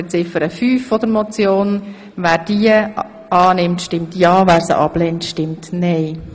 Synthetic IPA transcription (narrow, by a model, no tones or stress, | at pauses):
ət͡sɪfəɾəfyːfːɔd̪əɾmɔt͡sjoːn | væːɾd̥iə | ɑːnɪmtʃtɪmtjɑːvæːɾsə̰ʔɑb̥lɛntʃtɪmtnɛɪ